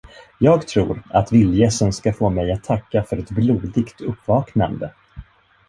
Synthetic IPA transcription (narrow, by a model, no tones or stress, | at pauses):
jɑːɡt̪ʰɾṵːɾa̰t̪vɪljɛsənskafoːmɛjat̪ʰːakːafœɾɛt̪bluːd̪ɪɡt̪ɵpːvɑːkna̰nd̪ə